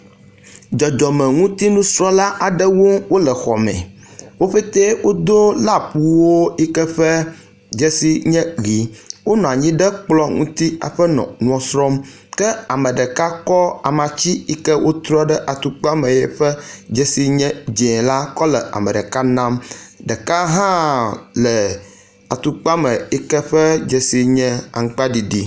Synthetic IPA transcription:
d͡ʒɔ˨d͡ʒɔ˨mɛ̃˨ŋũ˦t̪i˦nũ˦sɾɔ̃˦la˦ʔa˨ɖə˦wo˦wo˦lə˨xɔ˨mɛ̰̃˨ | wo˦ɸe˦t̪ɛ˦wo˦d̪o˦la˦pu˦wo˦i˦kɛ˦ɸɛ˦ | d͡ʒɛ˦si˦ɲɛ̃˦ɣi˨wo˦nɔ̃˨a˨ɲĩ˦ɖə˦k͡plɔ˦ŋṵ̃˦t̪i˦a̰˨ɸə˦nɔ̰̃˨nũ˦ɔ˨sɾɔ˦m | kɛ˦a˨mə˨ɖə˨ka˦kɔ˦a˨mã˨t͡ɕi˦i˦kə˦wo˦t̪ɾɔ˦ɖə˦ʔa˨t̪u˦k͡pa˦mə̃˨jɛ̰˦˨ɸɛ˦d͡ʒɛ˦si˦ɲɛ̃˦d͡ʒɛ̃˨la˦kɔ˦lɛ˨a̰˨mə˨ɖə˨ka˦nã˦mɖə˨ka˦ɦã˦lɛ˨ | a˨t̪u˨k͡pa˦mɛ̃˨i˦kɛ˦ɸɛ˦d͡ʒɛ˨si˦ɲɛ̃˦a̰˨ŋ˦k͡pa˦ɖi˨ɖi˦

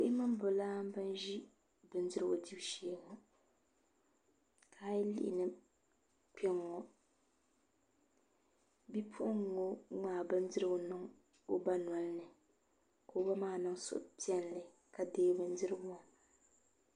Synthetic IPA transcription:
kʊ˦ʔɪ˦mɨ˦m˦bʊ˨laː˦mbɨ˦n˦ʒi˦ | bɨ˨˦n˦dɨ˦ɾɨ˦ɡʊ˨di˦bʃeː˦ŋɔ˨ | kʰaː˦jɛ˦lḭ˦ʔɪ̰˨nɨ˦ | k͡pɛ˦ŋːɔ˨ | bi˦pʰʊ˦ʔʊ˦ŋː˦o˦ŋaː˨bɨ˦n˦dɨ˦ɾɨ˦ɡo˨nɨ˦ŋ | o˦ba˦n˨a˨lnɨ˨ | ko˨˦ba˦maː˦˨nɨ˦ŋsʊ̰˨ʔpi˦ɛ˦n˨lɨ˨ | ka˨deː˦bɨ˦n˦dɨ˦ɾɨ˦bʊ˦a˨

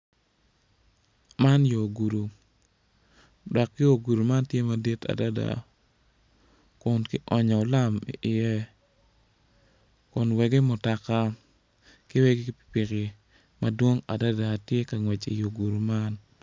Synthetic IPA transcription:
ma˦njo˨ɡu˨ɾu˨ | dɔ˨kːɪ˦o˨ɡu˨ɾu˨ma˦ntje˦ma˨di˦ta̰˨da˦da̰˨ | kʊ˨nkɪ˦ʔɔ˨ɲɔ˨o˨la˦mḭ˨ʔɪ˨jɛ˦ | kʊ˨nwɛ˨ɡe˦mʊ˨ta˨ka˦ | kɪ˦wɛ˦ɡi˦ki˦pi̥˨pi˨kɪ˨ | ma˨dwo˦ŋa̰˨da˦da˨tje˦ka˨ŋwɛ˨t͡ʃḭ˨jo˨ɡu˨ɾu˨ma˦n

